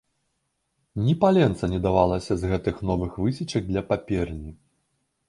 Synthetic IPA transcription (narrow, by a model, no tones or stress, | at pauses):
nʲipalʲɛnt̪sɐnʲɛd̪avalˠɐsʲɐzɣɛt̪ɨxnɔvɨxvɨsʲit͡ʂɐɡ̚d̪lʲɐpapʲɛrnʲi